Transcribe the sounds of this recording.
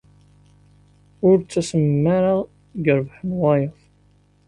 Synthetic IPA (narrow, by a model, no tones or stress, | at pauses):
ʊɾt͡sːæsəmːaɾaʁ | ɡəɾvħənwɑjəðˤ